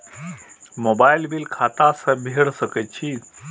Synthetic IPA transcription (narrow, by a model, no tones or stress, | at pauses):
mobajlbilkʰat̪asəbʱeɽsəkət͡ɕʰi